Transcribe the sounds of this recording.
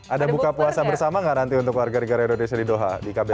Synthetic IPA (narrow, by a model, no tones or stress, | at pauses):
ʔadabukapuasabərsamaŋaɾant̪iunt̪̬ʊkwarɡanəɡaɾaindonesiadidoɦa̰dikabɛ